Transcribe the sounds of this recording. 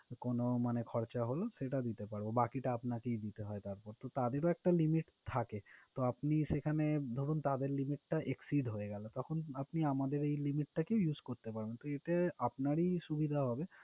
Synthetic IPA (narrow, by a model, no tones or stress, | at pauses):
konomanekʰɔɾt͡ɕaɦoloʃeʈad̪it̪epaɾbobakiʈaapnakejd̪it̪eɦɔet̪aɾpɔɾt̪ot̪ad̪eɾoɛk̚ʈalimiʈt̪ʰaket̪oapniʃekʰaned̪ʱoɾunt̪ad̪eɾlimiʈʈaʔeksiɖɦoeɡɛlot̪ɔkʰonapniamad̪eɾejlimiʈʈakeojud͡ʑkoɾt̪epaɾbent̪oeʈaapnaɾiʃubid̪ʱaɦɔbe